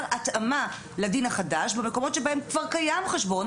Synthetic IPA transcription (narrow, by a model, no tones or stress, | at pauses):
atama | ladinhaχadaʃbemeko̞mo̞tʃebaemkvaʁkajamχeʃbo̞n